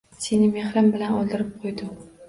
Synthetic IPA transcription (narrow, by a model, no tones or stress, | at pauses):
se̞nɪmeχɾɪmbɪlanɒlˠd̪ɪɾɪp̚qʰojd̪ʊ